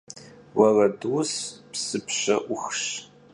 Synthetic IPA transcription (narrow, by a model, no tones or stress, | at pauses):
wɐrɐdwspsɨpɕɐ̰ʔʷʊxɕ